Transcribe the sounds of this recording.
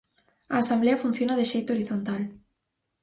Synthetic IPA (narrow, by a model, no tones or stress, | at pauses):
aːsambleafun̟θjonaðeʃejt̪ooɾiθont̪al